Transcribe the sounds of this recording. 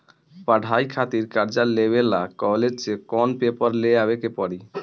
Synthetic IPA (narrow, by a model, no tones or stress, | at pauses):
paɖʱajkʰat̪iɾkaɾd͡ʑalebelakɔled͡ʑt͡ʃekɔnpepəɾleabekepɔɽi